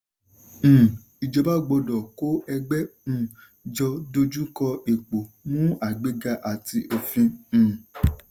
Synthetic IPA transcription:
i˨d͡ʒɔ˧ba˦ɡ͡bɔ˧dɔ˨ko˦ɛ˧ɡ͡bɛ̃˦˨ | d͡ʒɔ˧do˧d͡ʒu˦kɔ˧e˨k͡po˨mũ˦a˨ɡ͡be˦ɡa˧ʔa˨ti˧ʔo˧fĩ˧˨

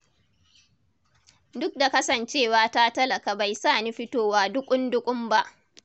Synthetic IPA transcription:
dʊ˦k̚da˨kɐ˦sɐ˨nt͡ʃeː˦˨waː˦ta˦tɐ˦lɐ˨kaː˨ba˨jsaː˦˨niː˦ɸɪ˦toː˦˨waː˦dʊ˦kʷʼʊ˦ndʊ˦kʷʼʊ˦mba˦ʔ

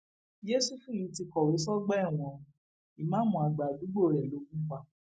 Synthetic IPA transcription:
d͡ʒe˦su˦˨fĩ˦˨ji˨˦ti˧kɔ˨wo˨˦sɔ˦ɡ͡bɛ˦˨w̃ɔ̃˧ | i˨mã˨˦mũ˧˨a˧ɡ͡ba˨ɡ͡bu˨˦ɡ͡bo˦˨ɾɛ˨lo˨˦kũ˦k͡pa˦˨

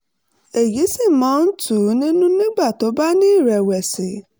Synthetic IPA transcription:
e˨ji˨˦si˦˨mãː˨˦n̩˦tu˦˨˦nĩ˦nũ˦nĩ˦ɡ͡ba˦˨to˨˦ba˦nĩ˦i˦˨ɾɛ˨wɛ˨si˨˦

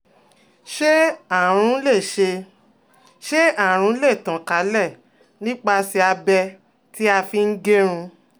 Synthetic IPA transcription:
ʃe˦a˦˨ɾ̃ũ˨˦le˦˨ʃe˧ | ʃe˦a˦˨ɾ̃ũ˨˦le˦˨tã˨ka˨˦lɛ˦˨ | nĩ˦k͡pa˧si˧a˧bɛ˧ | ti˦a˧fi˧n̩˦ɡe˦ɾ̃ũ˧

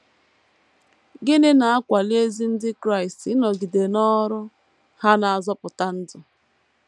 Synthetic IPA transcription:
ɡɪ˦ne˦na˨a˦kʷa˨li˦e˦zi˦n̩˦dɪ˦kɾa˦˨i˨stnɔ˨ɡi˨de˨nɔ˦ɾʊ˦ | ha˦na˨a˨zɔ˦pʊ˨ta˦n̩˦dʊ˨

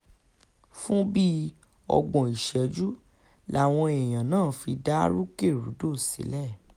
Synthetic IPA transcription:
fũ˦bi˦ | ɔ̰˧ɡ͡bɔ̃˨i˨ʃɛ˨˦d͡ʒu˦ | la˦˨w̃ɔ̃˧ɛ˨j̃ã˨nãː˦˨fi˧da˦ɾu˦ke˦˨ɾṵ˨˦do˦˨sḭ˨˦lɛ˦˨

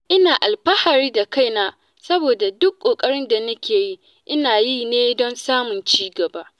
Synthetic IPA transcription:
ʔɪ˦naː˨ʔa˨lɸɐ˦ha˨ɾiː˦da˨ka˦jnaː˦ | sɐ˦boː˨da˨dʊ˦kʷʼːoː˨kʼɐ˦ɽɪ˦nda˨nɐ˦kʲeː˨ji˦ | ʔɪ˦naː˨ji˦neː˦dɔ˦nsaː˦mʊ˨nt͡ʃiː˦ɡɐ˨baː˦

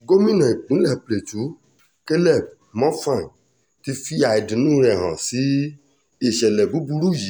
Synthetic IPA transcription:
ɡo˦mĩ˦nã˨i˨k͡pũ˨˦lɛ˦˨ple˨tu˨˦ | ke˦lɛ˦˨b̚ | mɔ̃˦fã˦˨ | ti˧fi˦a˧ɛ˨dĩ˨nũː˦ɾɛ˨ɦã̰˨si˨˦ | e˦˨ʃɛ˨lɛ˨bu˨˦bu˧ɾu˦˨ji˨˦

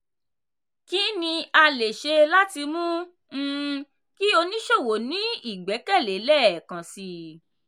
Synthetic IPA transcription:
ki˦nĩ˧a˧le˨ʃe˧la˦ti˧mũ˦ | ki˦o˧nĩ˦ʃo˦˨wo˨nĩ˨˦i˦˨ɡ͡bɛ˨˦kɛ˦˨le˨˦lɛ˦˨kã˨si˧

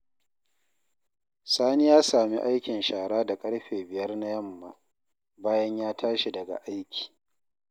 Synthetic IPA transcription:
saː˦ni˦jaː˦saː˨mḭ˦ʔa˦jkʲɪ˨nʃaː˨ɽaː˦da˨kʼɐ˦ɽɸeː˨bɪ˨jɐ˦rna˦jɐ˦mːa˦˨ | baː˦jɐ˦ɲjaː˦tʰaː˦ʃi˨dɐ˨ɡa̰˨ʔa˦jkʲi̥ː˨

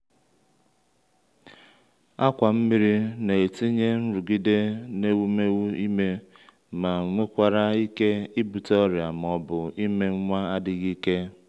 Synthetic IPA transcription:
a˦kʷa˨m̩˦mi˦ɾi˦ne˨e˨ti˦ɲe˦n̩˦ɾu˨ɡi˦de˦ne˦wu˦me˦wu˦i˦me˦ | ma˨ŋʷe˦kʷa˨ɾa˦i˦ke˦i˦bu˨tɔ˦ɾja˨m˨ɔ˦bʊ˨i˦me˦ŋ̩˦ŋʷa˦a˦dɪ˨ɣi˦ke˦

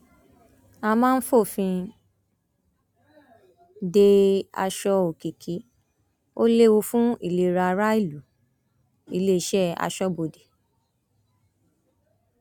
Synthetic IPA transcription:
a˧mãː˦n̩˦fo˦˨fĩ˧ | de˧a̰˧ʃɔ˧o˨ki˨kʰi˨˦ | o˦le˦wu˧fũ˦ḭ˦˨le˨ɾa˧ɾa˦i˦˨lu˨˦ | i˦le˦i˨˦ʃɛ˦a̰˧ʃɔ˦bo˨de˨

